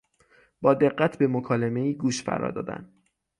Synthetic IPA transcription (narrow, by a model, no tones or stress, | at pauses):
b̥ɒːd̪e̞ɢːæt̪ʰbe̞mokʰɒːleme̞iːɡuːʃfæ̰ɾɒ̰ːd̪ɒ̰ːd̪æ̰nd̪